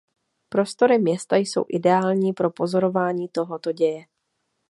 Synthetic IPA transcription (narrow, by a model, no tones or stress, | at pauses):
pɾo̞st̪o̞ɾɪmɲɛst̪ajso̞̰wʔɪdɛaːlɲiːpɾo̞po̞zo̞ɾo̞vaːɲiːt̪o̞ɦot̪oɟɛjɛ